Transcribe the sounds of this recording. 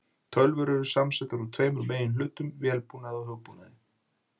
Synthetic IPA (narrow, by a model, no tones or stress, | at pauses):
t̪ʰœlvʏɾʏɾʏsamsɛt̪aɾut̪ʰveːjmʏɾmeːjɪnlʏːt̪ʏmvjɛːlpuːnaðɔhɦœwɣpunaðɪ